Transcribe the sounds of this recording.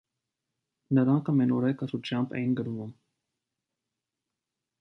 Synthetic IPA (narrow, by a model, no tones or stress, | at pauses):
nəɾɑŋkʰəmɛnɔɾɛkʰəɾut͡ʃʰjɑmbʰɛ̰jinɡəɾvum